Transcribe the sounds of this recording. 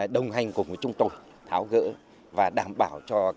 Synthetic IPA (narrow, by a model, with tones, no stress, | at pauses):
ɗə˨˩wŋ͡mɦa˨˧˩jŋ̟ku˨˩və˨˦t͡ɕʊ˧ŋ͡mt̪o˧j | t̪ʰaː˨˦wɣə̰ː˧˥ | vaː˨˩ɗaː˧˩mɓaː˧˩wt͡ɕɔ˧